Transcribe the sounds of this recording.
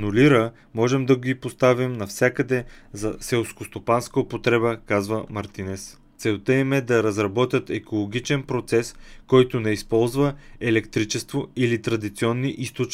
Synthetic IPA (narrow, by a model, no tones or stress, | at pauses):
nʊliɾə | mɔʒɛmd̪ɐɡipost̪avimnɐfsʲakəd̪ɛzɐsɛlˠfskost̪opanskəopot̪ɾɛbəkazvəmɐɾt̪inɛs | t̪sɛʊt̪ɛimɛd̪ɐɾɐzɾɐbɔt̪ʲjət̪ɛkolˠoɡʲit͡ʃɛnpɾot̪sɛskɔjt̪ʊnɛispɔlˠzvəɛlɛkt̪ɾit͡ʃɛst̪voilit̪ɾɐd̪it̪siɔnːiʔist̪ot͡ʃ